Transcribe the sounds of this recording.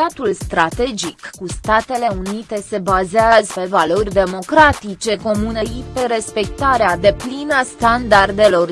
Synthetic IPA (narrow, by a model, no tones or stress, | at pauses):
at̪ulst̪ɾat̪e̞d͡ʒikːust̪at̪e̞le̞unit̪e̞se̞bazeazəpe̞valo̞rʲd̪e̞mo̞kɾat̪it͡ʃe̞ko̞muneipe̞ɾe̞spe̞k̚t̪aɾead̪e̞plinast̪and̪ard̪e̞lo̞r